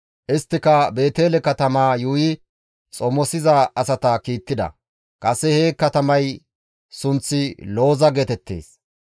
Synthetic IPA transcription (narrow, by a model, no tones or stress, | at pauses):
ʔɪst̪ːɪkɐbe̞ːt̪eːlɛkɐt̪ɐmaːjuːjɪ | t͡sʼɔmɔsɪzɐɐsɐt̪ɐkiːt̪ːɪd̪ɐ̰ | kʼɐsːɛheːkːɐt̪ɐmɐj | sʊnt͡sːɪlo̞ːzɐɡet̪ɛt̪ːe̞̰ːs